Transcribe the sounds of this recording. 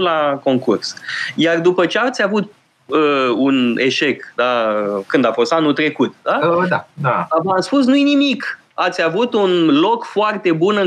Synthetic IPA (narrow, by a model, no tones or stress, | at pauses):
lako̞ŋkursjard̪upət͡ʃe̞avt̪ʲavut̪̚ | əune̞ʃe̞kd̪akɨnd̪afo̞st̪anult̪ɾe̞kut̪d̪aəd̪aavamspus̬nujenimik | at̪sʲjavut̪unlo̞kfoart̪e̞bunɨŋ